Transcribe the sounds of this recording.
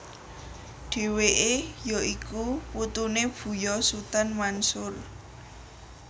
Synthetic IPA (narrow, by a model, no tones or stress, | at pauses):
ɖ̥e̤weʔejɔʔikuwut̪uneb̥ṳjɔsut̪anmansʊr